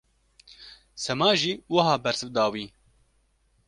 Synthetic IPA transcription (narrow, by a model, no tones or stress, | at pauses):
sɛmɑːʒiːwɐɦɑːbɛɾsɨvd̪ɑːwiː